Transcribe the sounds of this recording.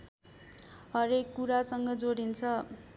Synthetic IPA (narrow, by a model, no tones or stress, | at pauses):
ɦʌɾekːuɾasʌŋɡʌd͡zoɽint͡sʰʌ